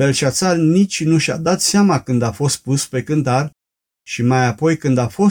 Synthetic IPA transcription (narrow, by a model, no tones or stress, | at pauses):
belt͡ʃat̪salnit͡ʃʲnuʃa̰d̪at̪seamakɨnd̪afo̞st̪̚puspe̞kɨnt̪ar | ʃimajapo̞jkɨnd̪afo̞